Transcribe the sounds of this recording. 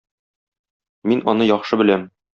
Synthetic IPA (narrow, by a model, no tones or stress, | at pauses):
minɒ̰nɤjɒχʃɤbɘ̆læm